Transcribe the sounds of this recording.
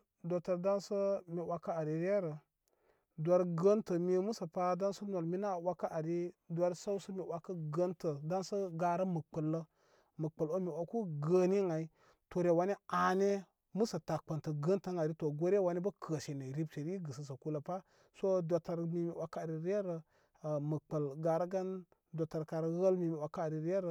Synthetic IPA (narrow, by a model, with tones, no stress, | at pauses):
do˨tə˨ɾda˦nsə˦mi˨wa˦ka˦a˨ɾi˨ɾe˦ɾə˨ | dʷa˨ɾɡə˦ntə˨mi˦mu˦sə˨pa˦da˦nsə˦no˨lmi˦na˦˨wa˦ka˦ʔa˨ɾi˦dʷa˦ɾsa˦wsə˦mi˨wa˨˦kːə˦ɡə˦ntə˨da˦nsə˦ɡa˦ɾə˦mə˨k͡pə˨lːə˦ | mə˨k͡pə˨lo˦mi˨wa˨ku˦ɡə˦ni˦ŋa˨i˦ | to˨ɾe˨wa˦ne˦a˨ne˦ | mu˦sə˨ta˨k͡pə˨ntə˨ɡə˦ntə˦ŋa˨ɾi˦to˨ɡo˦ɾe˦wa˨ni˦bə˦kʰə˨ʃe˨ne˨ɾi˦bt͡ʃe˨ɾi˦ɡə˨sə˨s̬ə˨ku˦lə˨pa˦ | so˦dʷa˨ta˨ɾmi˨mi˨wa˦ka˦a˨ɾi˦ɾe˦ɾə˨ | mə˨k͡pə˨lɡa˨ɾə˦ɡa˦n | dʷa˨ta˨ɾka˨ɾə˦ɣə˦lmi˨mi˨wa˦ka˦a˨ɾi˨ɾʲe˦ɾə˦